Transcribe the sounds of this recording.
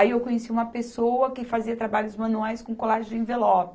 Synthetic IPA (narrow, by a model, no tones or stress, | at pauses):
aiewkõɲesiũmɐpesowɐkɪfaziɐt̪ɾabaʎʊzmɐ̃nuajskõkolaʒʊd͡ʒɪĩvelɔb